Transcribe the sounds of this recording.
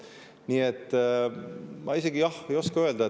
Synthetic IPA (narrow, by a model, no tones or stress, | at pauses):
niːet̪ː | mʔɑ̰ise̞ɡijɑhe̞jo̞skɑø̞eld̪ɑ